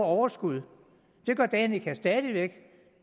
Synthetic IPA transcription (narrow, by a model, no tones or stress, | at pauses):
ɒʊɐsɡ̥uð̞ˠ | d̥e̝ɡ̥ɶɐ̰d̥ɛːnikʰæsd̥ɛðˠiʋeɡ̥